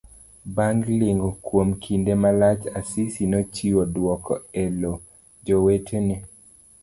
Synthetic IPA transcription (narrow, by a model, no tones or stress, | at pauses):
baŋɡlɪŋɡɔkwomkʰindemalat͡ʃasisinɔt͡ʃiwodwɔkɔelo | d͡ʒɔwetʰeni